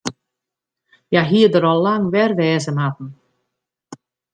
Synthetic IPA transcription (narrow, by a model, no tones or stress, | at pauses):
jaɦiədəɾɔlːaŋʋɛrʋɛːzənat̚n̩